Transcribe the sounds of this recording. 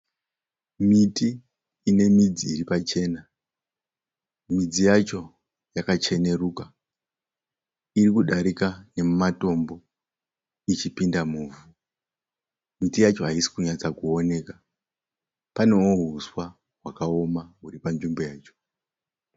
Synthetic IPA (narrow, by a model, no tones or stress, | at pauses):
mitiː | ne̞mid͡ziːripat͡ʃe̞na | mid͡zijat͡ʃo̞ | jakat͡ʃe̞ne̞ɾuːka | irikuɗaɾikane̞mmato̞mbo̞ | it͡ʃipindamuːvu | mitijat͡ʃo̞ɦaisi̥kuɲat͡sakuo̞ne̞ka | pane̞woɦuswa | ɦwakao̞maɦuɾipand͡ʒimbo̞jaːt͡ʃo̥